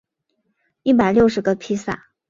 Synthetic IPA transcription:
i˥˩p̬a˨˩ɪljo˥˩ʊʂɻ̩˨˩ɡə˧pʰi˥sa̰˥˩

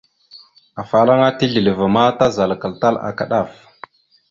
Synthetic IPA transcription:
a˨fa˨la˦ŋa˦ti˦ɮi˨lə˨va˨ma˦ta˦za˨lka˨lta˦la̰˨ka˨ɗa˦˨f

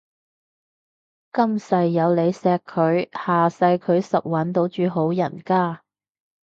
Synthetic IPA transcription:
kɐ˥msɐ˧jːɐ˨˧wle˨˧jsɛː˧kʰːɵ˨˧ɥhaː˨sɐ˧jkʰɵ˨˧ɥsɐ˨p̚wɐ˨˥nt̪o˨˥wt͡ʃyː˨˧ɦo˨˥wjɐ˨˩nkaː˥˩

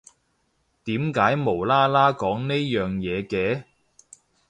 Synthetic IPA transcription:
t̪iː˨˥mkaː˨˥jmo˨˩wlaː˥laː˥kɔː˨˥ŋne˥jœː˨ŋjɛː˨˧kɛː˧

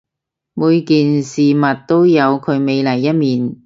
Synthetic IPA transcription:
muː˨˧jkiː˨nsiː˨mɐ˨˩t̚t̪o˥wjɐ˨˧wkʰɵ˨˧ɥme˨˧jlɐ˨˩jːɐ˥t̚miː˨n

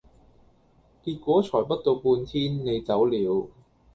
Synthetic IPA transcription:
kiː˧t̚kʷɔː˨˥t͡sʰɔː˨˩jpɐ˥t̚t̪o˧wpuː˧nt̪ʰiː˥nne˨˧jt͡sɐ˨˥wliː˨˧˥w

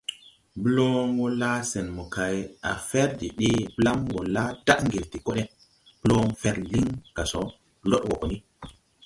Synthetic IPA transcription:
blo˦ŋɡo˦la˦sɛ˨nmɔ˨kʰa˨ja̰˨fɛ˦ɾdi˨ɗe˦bla˦mɡo˨la˦da˦ʔŋɡi˨lti˨ko˦ɗɛ˦ | b̥lo˦ŋfɛ˦ɾli˦ŋka˨so˨ | lo˦ɗwo̰˨ko˨ni˦

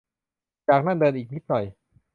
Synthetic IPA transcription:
t͡ɕaː˨˩k̚na˥˩ndɤː˧nʔiː˨˩k̚ni˦˥t̪̚nɔ˨˩j

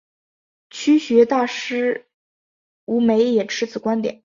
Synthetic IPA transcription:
t͡ɕʰy˥ɕɥɛ˧˥t̪a˥˩ʂɻ̩˥ | u˧˥me˧˥ɪjɛ˨˩ʈ͡ʂʰɻ̩˧˥t͡sʰɹ̩˨˩kwa˥nt̪jɛ̰˨˩˦

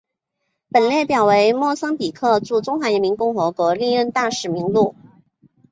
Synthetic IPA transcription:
pə˨˩nle˥˩ɪpjɑ˨˩ʊwe˧˥ɪmwɔ˥˩sɑ˥ŋpi˨˩kʰɤ˥˧ʈ͡ʂu˥˩ʈ͡ʂʊ˥ŋxwa˧˥ɛ˧˥nmi˧˥ŋkʊ˥˩ŋxɤ˧˥kwɔ˧˥li˥˧ɻə˥˧nt̪a˥˩ʂɻ̩˨˩mi˧˥ŋlu˥˩

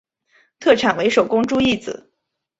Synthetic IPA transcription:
t̪ʰɤ˥˩ʈ͡ʂʰa˨˩nwe˧˥ɪʂo˨˩ʊkʊ˥ŋʈ͡ʂu˥˧i˥˩t͡sɹ̩˨˩˦

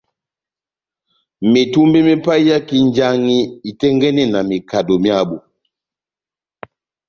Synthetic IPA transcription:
me˨tu˦mbɛ˦me˦pa˦i˦ja˦ki˦nd͡ʒa˦ŋi˦i˨tɛ˦ŋɡɛ˦nɛ˦na˨mi˨ka˨dɔ˨mja˦bu˨

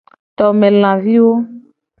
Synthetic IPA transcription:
t̪ɔ˨mɛ̃˨l̃ã˨vi˦wo˦

